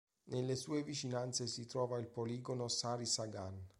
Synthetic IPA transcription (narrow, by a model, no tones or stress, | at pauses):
nelːesuːevit͡ʃinant̪sesit̪ɾɔːvailpoliːɡonosaːɾisaɡan